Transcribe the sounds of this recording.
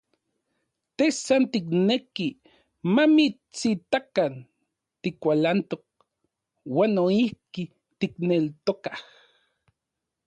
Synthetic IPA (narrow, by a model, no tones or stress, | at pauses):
t̪ehsant̪ik̬neki | mami | t͡sit̪akan | t̪ikʷalant̪ok̚ | waːnːoihki | t̪iknelt̪okah